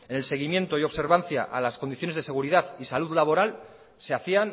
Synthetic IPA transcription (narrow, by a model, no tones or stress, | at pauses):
e̞nelse̞ɣ̞imjẽ̞nt̪o̞io̞βse̞ɾβ̞anθja̰ʔalaskond̪iθjo̞nezðe̞se̞ɣuɾiðaðisaluðlaβ̞o̞ɾal | seaθian